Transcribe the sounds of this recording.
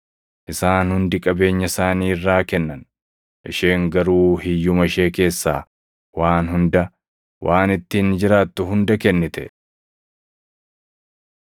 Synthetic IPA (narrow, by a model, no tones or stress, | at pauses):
ʔɪsaːnhʊnd̪ɪkʼɐbe̞ːɲːɐɪsaːniːɪrːaːkɛnːɐn | ʔɪʃe̞ːŋɡɐɾuːhɪjːʊmɐɪʃe̞ːke̞ːsːa̰ː | waːnhʊnd̪ɐ | wʔaːnɪt̪ːɪnd͡ʒɪɾaːt̪ːʊɦʊnd̪ɐkɛnːɪt̪ɛ